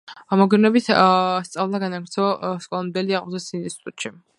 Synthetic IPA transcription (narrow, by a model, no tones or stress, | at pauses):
amɔɡɾnɛbit̪ʰst̪sʼavlˠaɡanaɡɾt̪sʰɔskʼɔlˠɔnb̪ɛliaʁʼmzɛsininst̪ʰit̪ʼut̪ʼʃi